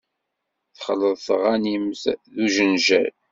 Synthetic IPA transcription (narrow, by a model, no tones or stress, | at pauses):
θəχəlːəðˤθʁanimθðuʒənʒæ̰l